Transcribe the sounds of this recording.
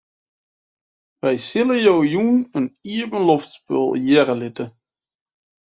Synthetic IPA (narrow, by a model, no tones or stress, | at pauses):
ʋɛjsɪləjowjunəniɹvənlɔftspø̰lˠjɛɾəlɪtə